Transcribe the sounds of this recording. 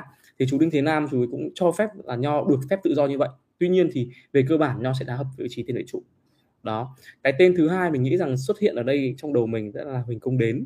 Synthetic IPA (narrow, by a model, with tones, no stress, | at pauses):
t̪ʰi˨˩t͡ɕu˨˦ɗï˧ŋ̟t̪ʰe˨˦naː˧mt͡ɕu˨˦jkʊ̰˧˥ŋ͡mt͡ɕɔ˧fɛ˦˥p̚laː˨˩ɲɔ˧ɗɨ˨˩ək̚fɛ˦˥p̚t̪ɨ̰˧˨zɔ˧ɲɨ˧və̰˧˨jʔ | t̪wi˧ɲi˧ənt̪ʰi˨˩ve˨˩k̬əː˧ɓaː˧˩nɲɔ˧s̬ɛ̰˧˥ɗaː˨˦ɦə˨˩p̚vəː˨˦i˨˧t͡ɕi˨˦t̪e˧nvḭ˧˨t͡ɕṵ˧˩˨ | ɗɔ˨˦kaː˨˦jt̪e˧nt̪ʰɨ˨˦ɦaː˧jmï˨˩ŋ̟ŋḭ˧˥za˨˩ŋs̬wə˦˥t̚hḭ˧˨ənʔəː˧˩ɗə˧jt͡ɕɔ˧wŋ͡mɗə˨˩wmï˨˩ŋ̟zə̰˧˥laː˨˩hï˨˩ŋ̟kʊ˧ŋ͡mɗe˨˦n